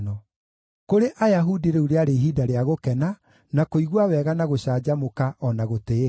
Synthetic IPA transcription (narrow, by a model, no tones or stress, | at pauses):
nɔ | koɾeʔajaɦudiɾeuɾeaɾeɦiːdaɾeaɣokɛna | nakoiɣwawɛːɣanaɣoɕaːd͡ʑamokaʔɔnaɣote